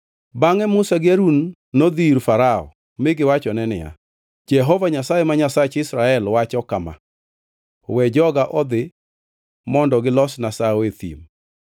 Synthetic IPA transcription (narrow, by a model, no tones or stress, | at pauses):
baŋɛmʊsaɡɪaɾunː | od̪iɾfaɾaɔ̰ | mɪɡɪwat͡ʃɔnɛnɪ̰ja̰ | d͡ʒɛɦɔvaɲasajemaɲasat͡ʃɪsɾaɛlwat͡ʃɔkama̰ | wɛd͡ʒɔɡaʔɔd̪ɪ | mɔndɔɡɪlɔsnasaoet̪ḭm